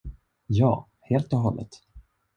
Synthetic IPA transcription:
jɑː | heːlt̪ɔɦɔlːə̰t̪

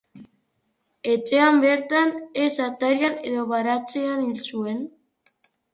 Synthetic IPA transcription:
e̞t͡ʃe̞ambe̞ɾt̪anesat̪aɾjane̞ðo̞βaɾat͡seanilsue̞n

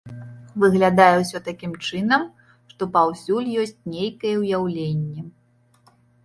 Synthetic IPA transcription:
vɨɣlʲad̪ajɛwsʲɔt̪akʲimt͡ʂɨnɐm | ʂt̪ɔpawsʲulʲjɔsʲt͡sʲnʲejkɐjɛwjawlʲenʲːɛ

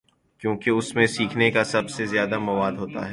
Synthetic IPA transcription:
kjõːkeʊsmẽsiːkʰnekasɐbsezjaːd̪amɐʋaːd̪ɦoːt̪a̰ɦɛː

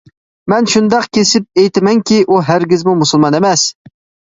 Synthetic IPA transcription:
mɛnʃund̪ɑqkʲesɪp̚ejt̪ʰɪmɛŋkʲiʔuɦæɾɡʲɪzmumusulˠmɑnemɛs

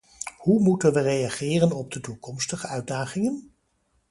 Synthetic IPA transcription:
humutənʋərejaχɪːrənɔb̚dətukɔmstəχəœɥd̚daːχɪŋən

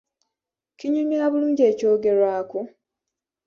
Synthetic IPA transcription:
kiɲuniaːβuluːɲɟe̞ːco̞ːɡe̞ɾwaːku

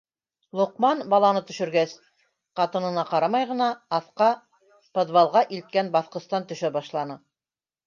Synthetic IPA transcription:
lˠŏqmɑnbɑlˠɑnɤt̪ɵ̆ʃɵ̆ɾɡæs | qɑt̪ɤ̆nɤ̆nɑqɑɾɑmɑjʁɤ̆nɑːθqɑ | pod̪βɑlˠʁɑʔilt̪̚kænbɑθqɤ̆st̪ɑnt̪ɵ̆ʃæbɑʃlˠɑnɤ

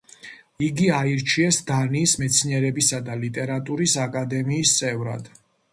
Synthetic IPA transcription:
iɡiaiɾt͡ʃʰiɛsd̪aniːsmɛt̪sʰniɛɾɛbisad̪alit̪ʼɛɾat̪ʼuɾisakʼad̪ɛmiːst̪sʼɛvɾa̰d̪̥

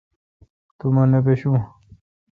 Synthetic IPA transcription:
t̪umɐnepeɕũ

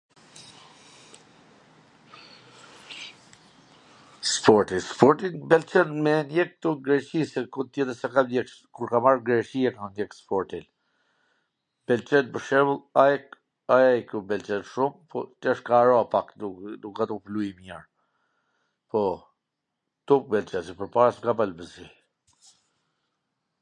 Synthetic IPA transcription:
spɔɾt̪ispɔɾt̪inbɛlt͡ʃɛnmɛnjɛk̚t̪uɡɾɛt͡ʃisɛkut̪jɛd̪əsakamɛk | kuɾkamaɾɡɾɛt͡ʃiɛkanjɛkspɔɾt̪il | bɛlt͡ʃɛnbəʃɛvulˠajɛk | ajajkjubɛlt͡ʃɛnʃumpʰɔt̪iəʃkaːɾɔapakudukat̪ɔplujimjɛɹ | pɔ | t̪uk̚bɛlt͡ʃɛsɛpəɾpaɾasŋɡabalbəzi

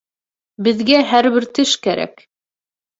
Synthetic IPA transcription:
bɘ̆ðɡæɦæɾβɘɾt̪ɘʃkæɾæ̰k

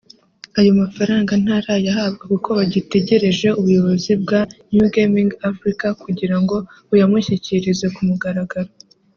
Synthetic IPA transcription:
ajo̞mafaɾaːŋɡan̥haɾajaɦab̚ɡekukʰo̞βaɟite̞ɟe̞ɾe̞ʒe̞uβujo̞βo̞zib̚ɡanjuɡemĩŋɡafɾikakuɟiɾaŋɡo̞ | ujamuçiciɾize̞kumuɡaɾaɡaɾo

